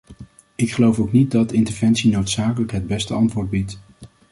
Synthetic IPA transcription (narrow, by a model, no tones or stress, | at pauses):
ɪkχəlowfowknit̚dɑtɪntəɹvɛnsinowtsaːkələkɦəd̚bɛstəɑntʋʊːɹd̚bit